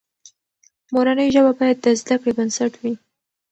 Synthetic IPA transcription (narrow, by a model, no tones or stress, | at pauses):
moɾanəjʒəbabɑjad̪̚ːəzd̪akɽebənsaʈwi